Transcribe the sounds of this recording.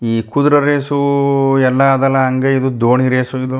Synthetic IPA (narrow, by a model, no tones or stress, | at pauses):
iːkud̪uɾɐɾeːsuɛlːɐːd̪ɐlːɐɐŋɡeid̪ud̪oːɳiɾeːsuid̪u